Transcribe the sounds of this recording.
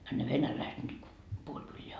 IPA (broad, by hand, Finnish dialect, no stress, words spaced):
ɑ ne ʋenælæiset nyt ko puolʲ kylːeæ